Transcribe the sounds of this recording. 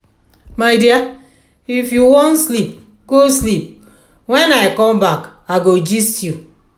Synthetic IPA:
majdia | ifjuwɔ̃nslip̚ | ɡ̥oslip̚ | wɛ̃naɪkɔ̃mbakaɡod͡ʒistju

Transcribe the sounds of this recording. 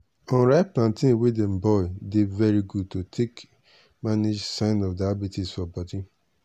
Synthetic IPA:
ɔ̃nɾaɪplãntĩnwedẽm̩bɔɪdevɛɾiɡud̚totʰek | manid͡ʒsãɪ̃nɔfdabitisfɔbɔdi

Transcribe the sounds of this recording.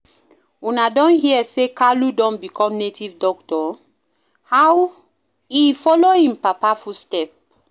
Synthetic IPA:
unadɔ̃nhiɛsekaludɔ̃nbikʰɔ̃mnetʰivdɔktɔ | haw | ifɔlohĩmpapafustɛp̚

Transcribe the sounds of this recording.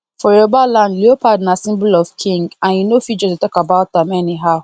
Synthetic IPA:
fɔɾobalãndliopʰadnasĩmblɔvkʰĩŋɡãnjunofid͡ʒɔtutɔkabaʊt̚dãmɛniɦaʊ

